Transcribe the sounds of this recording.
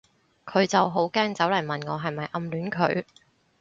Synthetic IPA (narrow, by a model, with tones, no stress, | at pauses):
kʰɵ˨˧ɥt͡sɐ˨wɦo˨˥wkɛː˥ŋt͡sɐ˨˥wlɐ˨˩jmɐ˨nŋɔː˨˧ɦɐ˨jmɐ˨jʔɐ˧mlyː˨˥nkʰɵ̰˨˧ɥ